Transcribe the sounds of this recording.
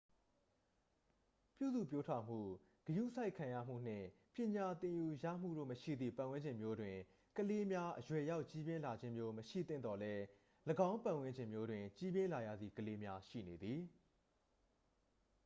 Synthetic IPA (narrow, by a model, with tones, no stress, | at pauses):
pjṵ˦˨zṵ˦˨pjo˦tʰa˨m̥ṵ˦˨ | ɡ̥əjṵ˦˨sa˦ɪkʰã˨jä̰˦˨m̥ṵ˦˨n̥ɪ̰̃˦˨ | pjɪ̃˨ɲa˨t̪ɪ̃˨ju˨jä̰˦˨m̥ṵ˦˨ɾo̰˦˨məʃḭ˦˨d̪ðḭ˦˨pã˨wɪ̃˦ɲd͡ʑɪ̃˨mjo˦dwɪ̃˨ | kəle˦mja˦ʔəjwɛ˨ja˦ʊʔt͡ɕi˦bjɪ̃˦la˨d͡ʑɪ̃˦mjo˦məʃḭ˦˨t̪θɪ̰̃˦˨nd̪ɔ˨lɛ˦ | ləɡã˦ʊ̃mpã˨wɪ̃˦ɲd͡ʑɪ̃˨mjo˦dwɪ̃˨t͡ɕi˦bjɪ̃˦la˨jä̰˦˨d̪ði˨kəle˦mja˦ʃḭ˦˨ne˨d̪ði˨